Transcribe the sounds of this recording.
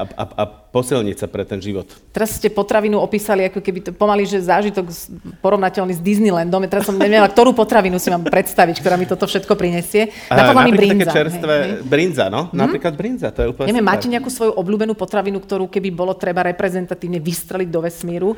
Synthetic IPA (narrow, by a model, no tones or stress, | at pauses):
a̰a̰pɔsilɲḭcsapɾɛt̪ɛnʒiʋɔt̪t̪ɛɾasscɛpɔt̪ɾaʋinuɔpiːsaliakɔkɛbit̪pɔmaliʒɛzaːʒit̪ɔkpɔɾɔʋnacɛlnizd̪iznilɛnd̪ɔmjat̪ɛɾasɔmɲɛʋɛɲɛlak̚t̪ɔɾuːpɔt̪ɾaʋinusiʋaːmpɾɛt̪st̪aʋickt̪ɔɾaːmit̪ɔt̪ɔfʃɛt̪kɔpɾiɲɛsɪɛ | apad̪lamiɾibɾiankɛzaɛɾsɦɛʋɛɛbɾind͡za̰nɔnaɾiːklad̪̚bɾind͡zat̪ɔjɛuːpɲɛʋjɛmːaːcɛɲɛakuːsʋɔjuʔɔbluːbɛnuːpɔt̪ɾaʋinukt̪ɔɾuːkɛbibɔlɔt̪ɾɛbaɾɛpɾɛzɛnt̪at̪iːʋɲɛʋist̪ɾɛliɟd̪ɔʋɛsmiːɾu